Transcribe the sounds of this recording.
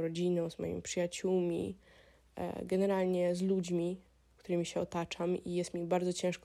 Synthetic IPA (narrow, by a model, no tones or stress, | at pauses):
ɾɔd͡ʑinɔ̃w̃zmɔ̰jḭmʲipʂɨjat͡ɕuwmʲḭ | ɡɛnɛɾalɲɛzlud͡ʑmʲi | kt̪uɾɘmʲiɕɛɔ̰t̪at͡ʂamijɛst̪mʲibaɾd̪ɔt͡ɕɛ̃ʂk